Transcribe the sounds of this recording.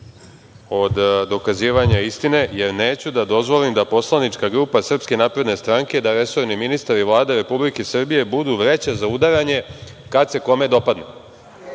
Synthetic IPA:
o̞d̪d̪o̞kaziːʋaɲaist̪ine̞je̞ɾneːt͡ɕud̪ad̪o̞zʋo̞limd̪apo̞slˠanit͡ʃkaɡɾuːpasr̩pske̞naːpɾe̞d̪ne̞st̪ɾaŋke̞d̪aɾe̞so̞ɾniminist̪aɾiʋlˠaːd̪eɾe̞publikesr̩bije̞bud̪uʋɾe̞t͡ɕazaud̪aɾaɲe̞kat̪se̞ko̞me̞d̪o̞pad̪nu

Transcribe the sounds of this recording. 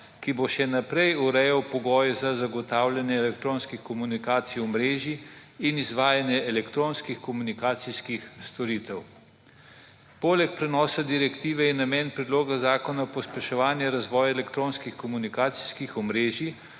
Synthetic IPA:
kiboʃɛnapɾɛjuɾɛjawpɔɡɔːjɛzazaɡɔt̪aːwljanjɛɛlɛkt̪ɾoːnskixkɔmunikaːt̪sijɔmɾeːʒiːnizʋaːjanjɛɛlɛkt̪ɾoːnskixkɔmunikaːt̪siskixst̪ɔɾiːt̪ɛw | poːlɛk̚pɾɛnɔːsad̪iɾɛkt̪iːʋɛjɛnamɛːnpɾɛd̪loːɡazaːkɔnapɔspɛʃɔʋaːnjɛɾazʋɔːjaɛlɛkt̪ɾoːnskixkɔmunikaːt̪si̥skixɔmɾeːʒi

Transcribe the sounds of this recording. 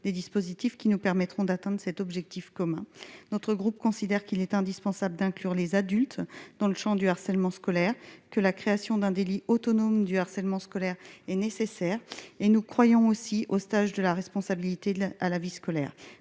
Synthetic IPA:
d̪ed̪ispozit̪ifkʲinupɛʁmɛt̪χɔ̃d̪at̪ɛ̃d̪ʁəsɛt̪ɔbʒɛk̚t̪ifkɔmɛ̃nɔt̪χəɡʁup̚kɔ̃sid̪ɛʁkilɛt̪ɛ̃d̪ispɑ̃sabləd̪ɛ̃klyʁlezad̪ylt̪d̪̥ɑ̃ləʃɑ̃d̪yaʁsɛlmɑ̃skɔlɛʁkəlakχeasjɔ̃d̪ɛ̃d̪eliʔot̪ɔnomd̪yaʁsɛlmɑ̃skɔlɛʁɛnesesɛːʁenukχwajɔ̃osiʔost̪aʒd̪əlaʁɛspɔ̃sabilit̪ealaviskɔlɛ̰ːʁ

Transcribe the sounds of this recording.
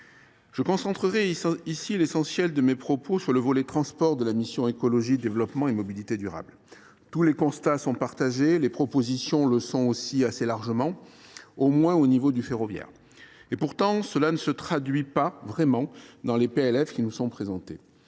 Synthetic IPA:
ʒ̥əkɔ̃sɑ̃t̪χəʁɛisilesɑ̃sjɛld̪əmepχɔposyʁləvɔlɛt̪χɑ̃spɔʁd̪əlamisjɔ̃ekɔlɔʒid̪evlɔpmɑ̃emɔbilit̪ed̪yʁa̰bl | t̪ulekɔ̃st̪asɔ̃paʁt̪aʒelepχɔpozisjɔ̃ləsɔ̃osiaselaʁʒəmɑ̃omwɛ̃onivod̪yfeʁɔvjɛ̰ʁ | epuʁt̪ɑ̃səlanəsət̪χad̪ɥipavʁɛmɑ̃d̪ɑ̃lepeɛlɛfkʲinusɔ̃pχezɑ̃t̪ḛ

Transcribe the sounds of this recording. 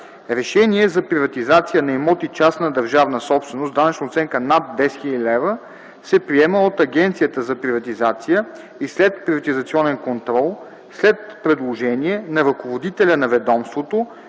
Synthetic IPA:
ɾɛʃɛniɛzɐpɾivɐt̪izat̪sijənɐimɔt̪it͡ʃasnɐd̪ɐɾʒavnəsɔpst̪vɛnosd̪anɐt͡ʃnot̪sɛŋkənat̪̚d̪ɛsxiilɛvə | sɛpɾiɛməot̪ɐɡ̟ɛnt̪sijət̪əzɐpɾivɐt̪izat̪sijə | islɛt̪pɾivɐt̪izɐt̪siɔnɛnkont̪ɾɔlˠ | slɛt̪̚pɾɛd̪lˠoʒɛniɛnɐɾɐkovod̪it̪ɛlʲɐnɐvɛd̪ɔmst̪vot̪o

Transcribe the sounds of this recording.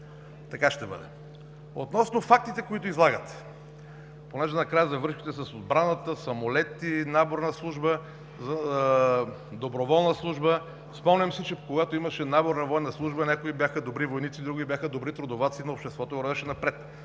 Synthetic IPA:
t̪ɐkaʃt̪ɛbə̰d̪ɛ̰ | ot̪nɔsnofak̚t̪it̪ɛkoit̪oizlˠaɡət̪ | ponɛʒɛnɐkɾajəzɐvɤɾʃki̥t̪ɛsɐsod̪̚bɾanət̪əsɐmolɛt̪inaboɾnɐslˠuʒbə | zɐ | d̪obɾovɔlˠnəslˠuʒbə | spɔmnʲɐmsɛt͡ʃɛpkoɡat̪oimɐʃɛnaboɾnɐvɔjnɐslˠuʒbənʲakoibʲjaxəd̪obɾivojnit̪sid̪ɾuɡibʲjaxəd̪obɾit̪ɾod̪ovat̪sinɐopʃt̪ɛst̪vɔt̪oɾɐvɛʃɛnɐpɾɛt̪

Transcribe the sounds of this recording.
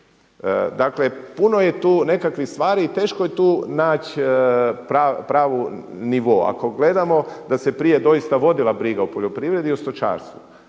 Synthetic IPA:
d̪akle̞puno̞je̞t̪uːne̞kakʋixst̪ʋaːɾiːt̪e̞ːʃkoje̞t̪uːnaːt͡ɕ | pɾapɾaːʋuniʋoa̰ko̞ɡle̞d̪amo̞d̪ase̞pɾije̞d̪o̞ist̪aʋo̞d̪ilˠabɾiɡaupo̞ʎo̞pɾiʋɾe̞d̪iost̪ot͡ʃa̰ːɾst̪ʋṵ

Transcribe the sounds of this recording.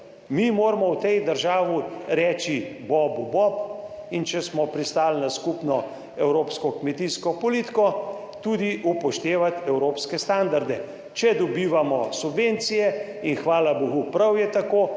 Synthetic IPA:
mimoːɾmɔwt̪ɛjd̪əɾʒaːʋiɾɛːt͡ʃibɔbubɔpint͡ʃɛsmɔpɾist̪aːlnaskupnɔ | ɛwɾoːpskɔkmɛt̪iskɔpɔliːt̪i̥kɔ | t̪ud̪iupɔʃt̪eːʋat̪ɛwɾoːpskɛst̪and̪aɾd̪ɛ | t͡ʃɛd̪ɔbiːʋamɔsubʋent̪sijɛ | inxʋaːlabɔɣupɾawjɛt̪akoː

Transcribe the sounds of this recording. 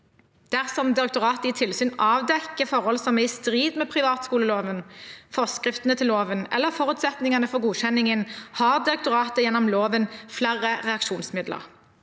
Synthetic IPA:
d̪̥æʁsɔmd̪ɪʁɛkt̪ʊʁɑːt̪əɪːt̪ʰɪlsyːnɑːʋd̪ɛkːəfɔʁhɔlsɔmɛɪst̪ʁiːd̪mɛːpʰʁɪʋɑːt̪skuːləloːʋənfɔʁskʁɪft̪ənət̪ʰɪloːʋənɛ̰lːəʁfɔʁʉːt̪sɛt̪nɪŋɑnəfɔʁɡuːɕɛnːɪŋənhɑːʁd̪ɪɾɛkt̪ʊʁɑːt̪əjɛnɔmloːʋənflæʁəʁɛɑkʃuːnsmɪd̪lə̰ʁ

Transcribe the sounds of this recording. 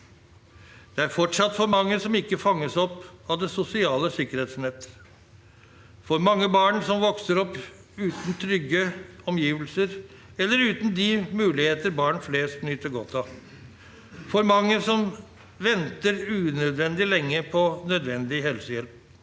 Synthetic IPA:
d̪̥ɛæɾfɔʈʂɑt̪ːfɔɾmɑŋːəsɔmɪkːəfɑŋːəsɔpːɑʋd̪ɛsʊsɪɑːləsɪkəɾheːt̪snɛt̪ː | fɔɾmɑŋːəbɑːɳsɔmʋɔksəɾɔpː | ʉːt̪nt̪ʰɾʏɡːəɔmjiːʋəlsəɾ | ɛlːəɾʉːt̪nd̪ɪmʉːlɪheːt̪əɾbɑːɳfleːst̪nyːt̪əɾɡɔt̪ʰːɑ | fɔɾmɑŋːəsɔm | ʋɛnt̪əɾʉːnœd̪ʋɛnd̪ɪlɛŋːəpʰɔnœd̪ʋɛnd̪ɪɦɛlsəjɛlp̚

